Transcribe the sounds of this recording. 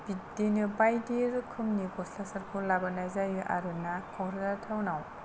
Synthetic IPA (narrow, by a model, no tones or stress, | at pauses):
bidenɯbajdiɾkʰɯmnikɔslasɐɾkʰulabɐnajzajuʔa̰ɾɯnakʰɔŋʰɾɔzatʰawnaw